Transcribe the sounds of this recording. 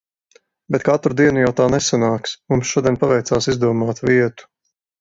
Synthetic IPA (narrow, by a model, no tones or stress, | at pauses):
bɛt̪̚kat̪ɾud̪iɛnujawt̪aːnɛsanaːksmumsʃuɔd̪ʲiɛnʲpavɛjt̪saːsizd̪uɔmaːt̪viɛt̪u̥